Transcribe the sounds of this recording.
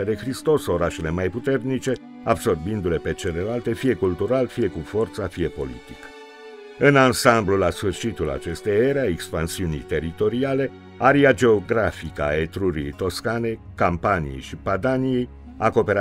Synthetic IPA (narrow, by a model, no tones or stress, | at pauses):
ad̪exɾist̪o̞so̞ɾaʃe̞le̞majput̪e̞rnit͡ʃe̞ | abso̞rbind̪ule̞pe̞t͡ʃe̞le̞lalt̪e̞fije̞kult̪uɾalfije̞kufo̞rt̪safije̞po̞̰lḭt̪i̥k | ɨnansamblulasfɨrʃit̪ula̰t͡ʃe̞st̪ejeɾeaekspansiunḭjt̪e̞ɾit̪o̞ɾiale̞ | aɾiad͡ʒe̞oɡɾafikəa̰et̪ɾuɾḭejt̪o̞skane̞ | kampanḭje̞̰jʃipad̪anije̞j | ako̞pe̞ɾa